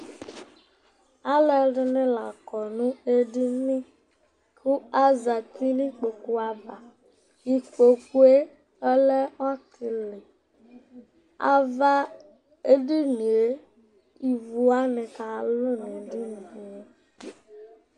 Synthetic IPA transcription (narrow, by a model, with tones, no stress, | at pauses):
a˦lɛ˨˦ɖɪ˦nɪ̃˦la˨kɔ˨nũ˦e˦di˦nɪ̃˦ | kʰu˦a˦za˨ti˦nĩ˦k͡po˨ku˦a˨ba˨ | i˨k͡po˨ku˦e˦ | ɛ˦lɛ˦a˦kʰɪ˨lɪ˨ | a̰˨va˦ | e˦di˦nũ˨e˦ | i˨vu˦a˦nɪ̃˨ka˨lʊ˦ne˨di˦n˨i˨e˦